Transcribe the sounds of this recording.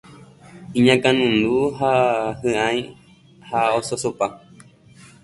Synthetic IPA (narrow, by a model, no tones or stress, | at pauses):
ĩɲãkãnũnd̪uɦahɨ̃ãj̃ | haososopa